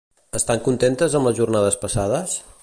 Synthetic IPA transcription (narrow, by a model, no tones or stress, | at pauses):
əst̪aŋkunt̪ent̪əzəmləzʒurnað̞əspəsaðəs